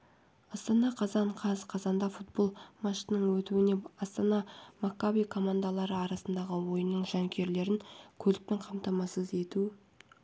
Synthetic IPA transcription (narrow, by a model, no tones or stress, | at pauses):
ɑst̪ɑnɑqʰɑzɑɴqʰɑzqʰɑzɑnd̪ɑfut̪̚bo̞lˠmɑʃənəɴwɵt̪uɪne̞ɑst̪ɑnɑmakːabikʰo̞mand̪alˠɑɾəɑɾɑsənd̪ɑʁəwo̞jənəɴʒɑŋkʲʰe̞ɾle̞ɾɪnkʲʰɵlɪk̚t̪ɪŋqʰɑmt̪ɑmɑsəze̞t̪u